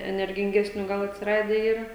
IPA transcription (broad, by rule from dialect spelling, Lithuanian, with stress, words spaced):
ɛnʲɛrʲɡʲɪŋʲˈɡʲæːsʲnʲuː ˈɡɐlˠ ɐtʲsʲɪˈrɑːdʲɛ ˈiːrɐ